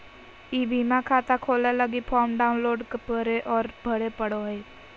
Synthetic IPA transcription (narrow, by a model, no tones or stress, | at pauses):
ibʱiːmãkʰaːt̪akʰoːleləɡipʰɔːmɖaːʊnloːɖkepəɾeʔɔːɾbʱəɽepəɽoɦe